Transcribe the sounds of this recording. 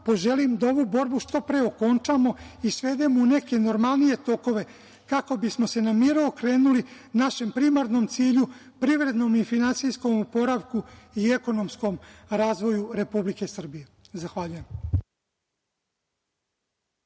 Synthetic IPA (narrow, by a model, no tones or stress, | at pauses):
po̞ʒe̞limd̪ao̞ʋuːbo̞ɾbuʃt̪o̞pɾe̞o̞ko̞nt͡ʃamo̞isʋe̞ːd̪emoune̞ke̞no̞ɾmalˠnije̞t̪o̞ko̞ʋe̞ | kako̞bismo̞se̞namiɾuokɾe̞ːnuli | naʃe̞mpɾimaɾnomt̪siːʎu | pɾiʋɾe̞d̪no̞mifinansijsko̞mupo̞ɾaʋkuie̞ko̞no̞msko̞mɾaːzʋo̞juɾe̞publike̞sr̩bije̞zaxʋaʎujem